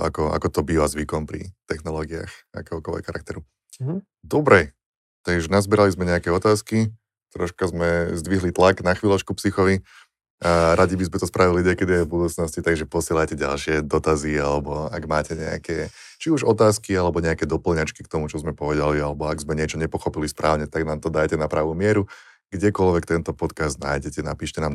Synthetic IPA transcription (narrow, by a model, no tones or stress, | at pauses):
a̰kɔʔa̰kɔt̪ɔbiːʋazʋikɔmpɾḭt̪ɛxnɔlɔːɡia̰xa̰kɛɦɔkɔlʋɛ̰kxaɾak̚t̪ɛɾu | d̪ɔbɾɛ | t̪aɡʒɛnazbɛɾalizmɛɲɛakɛɔt̪aːski | t̪ɾɔʃkazmɛzd̪ʋiɦlit̪laɡnaxʋiːlɔt͡ʃkupsixɔʋi | aɾaɟibizmɛt̪ɔspɾaʋiliɲɛkɛd̪iajvbud̪uːt͡snɔscit̪aɡʒɛpɔsɪɛlajcɛɟa̰lʃɪɛd̪ɔt̪azialɛbɔaɡmaːcɛɲɛa̰kɛ | t͡ʃiuʒɔt̪aːskialɛbɔɲɛakɛd̪ɔpl̩ɲat͡ʃki̥k̚t̪ɔmut͡ʃɔzmɛpɔʋɛd̪alialɛbɔaɡzmɛɲɪɛt͡ʃɔɲɛpɔxɔpilispɾʔaːʊɲɛt̪aɡnaːmt̪ɔd̪ajcɛnapɾaːʋuːmɪɛɾu | ɡ̥ɟɛkɔlʋɛkt̪ɛnt̪ɔpɔt̪kazd̪̚na̰ːjɟɛcɛnapiːʃcɛnaːm